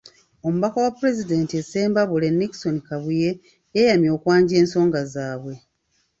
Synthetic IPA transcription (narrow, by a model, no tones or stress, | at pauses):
o̞muβakawapːuɾe̞zide̞ːntieseːmbaβule̞nːiki̥so̞nikaβuje̞ | jejamjo̞ːkwaːɲɟe̞ːnso̞ːŋɡazaːβwe̞